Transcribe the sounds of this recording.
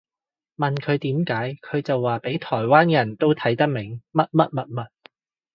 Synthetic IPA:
mɐ˨nkʰɵ˨˧ɥt̪iː˨˥mkaː˨˥jkʰɵ˨˧t͡sɐ˨wːaː˨pe˨˥jt̪ʰɔː˨˩jwaː˥njɐ˨˩nt̪o˥wt̪ʰɐ˨˥jt̪ɐ˥k̚mɪ˨˩ŋmɐ˥t̚mɐ˥t̚mɐ˨t̚mɐ˨˩t̚

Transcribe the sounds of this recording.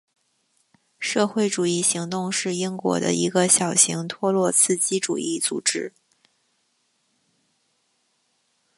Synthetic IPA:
ʂɤ˥˧xwe˥˩ɪʈ͡ʂu˨˩i˥˩ɕi˧˥ŋt̪ʊ˥˧ŋʂɻ̩˥˩i˥ŋkwɔ̰˧˥d̪ə̰˧ʔi˧˥ɡə˧ɕjɑ˨˩ʊɕi˧˥ŋt̪ʰwɔ˥lwɔ˥˧t͡sʰɹ̩˥˩t͡ɕi˥ʈ͡ʂṵ˨˩i˥˩t͡sṵ˨˩ʈ͡ʂɻ̩˥

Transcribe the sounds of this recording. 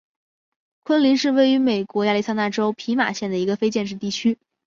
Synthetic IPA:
kʰwə˥nli˧˥nʂɻ̩˥˧we˥˩ɪy˧˥me˨˩ɪkwɔ˧˥ja˥˧li˥˧sa˥na˥˩ʈ͡ʂo˥ʊpʰi˧˥ma̰˨˩ɕjɛ˥˩nd̪ə˩i˧˥ɡə˧fe˥ɪt͡ɕjɛ˥˧nʂ̬ɻ̩˥˧t̪i˥˩t͡ɕʰy˥

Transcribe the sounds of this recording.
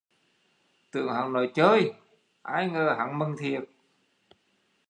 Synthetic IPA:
t̪ɨ˧˩əŋhə̰˨˧˩ŋno˧˨˩jt͡ɕəː˧˦j | ʔaː˧˩jŋəː˧˩ɦa̰˧˥ŋmə˧ŋt̪ʰi˨˩ət̚

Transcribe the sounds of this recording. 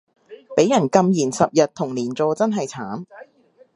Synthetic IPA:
pe˨˥jɐ˨˩nkɐ˧mjiː˨˩nsɐ˨p̚jɐ˨t̚t̪ʰʊ˨˩ŋliː˨˩nt͡sɔː˧t͡sɐ˥nɦɐ˨jt͡sʰaː˨˥m

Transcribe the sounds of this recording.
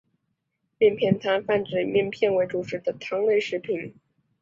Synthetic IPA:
mjɛ˥˧npʰjɛ˥˩nt̪ʰa˥nfa˥˩nʈ͡ʂɻ̩˨˩ɪmjɛ˥˧npʰjɛ˥˧nwe˧˥ɪʈ͡ʂu˨˩ʈ͡ʂʰɻ̩˧˥d̪ə˧t̪ʰɑ˥ŋle˥˧ɪʂɻ̩˧˥pʰi˧˩n

